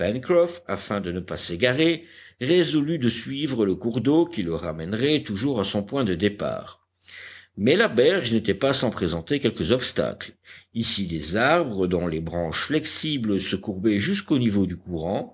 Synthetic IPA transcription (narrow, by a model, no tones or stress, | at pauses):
pɛnkχɔfa̰fɛ̃d̪ənəpaseɡaʁe | ʁezɔlyd̪əsɥivʁələkuʁd̪okʲiləʁamɛnʁɛt̪uʒuʁasɔ̃pwɛ̃d̪əd̪epa̰ːʁ | mɛlabɛʁʒnet̪ɛpasɑ̃pχezɑ̃t̪ekʲɛlkəzɔpst̪a̰klisid̪ezaʁbʁəd̪ɔ̃lebʁɑ̃ʃflɛksibləsəkuʁbɛʒyskonivod̪ykuʁɑ̃